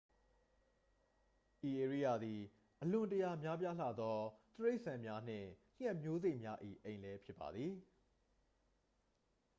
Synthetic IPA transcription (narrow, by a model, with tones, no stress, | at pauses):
ʔi˨ʔe˨ɹi˦˨ja˦˨d̪i˨ | ʔəlʊ̃˨ntəja˨mja˦p̬ja˦l̥a̰˦˨d̪ɔ˦t̪əɹe˦ɪʔsã˨mja˦n̥ɪ̰̃˦˨l̥ɛ˦˨mjo˦ze˦ɪʔmja˦ʔḭ˦˨ʔẽ˨ɪ̃nlɛ˦pʰjɪ˦pːa̰˨d̪ði˨